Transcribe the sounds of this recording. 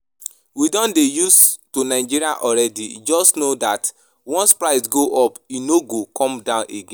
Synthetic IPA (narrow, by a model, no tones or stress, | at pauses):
widɔ̃ndejustonaɪd͡ʒiɾiaʔɔɾɛdḭd͡ʒɔstnodat | wɔ̃nspɾaɪsɡoʔɔpinoɡokʰɔ̃mdãʊ̃nʔeɡẽ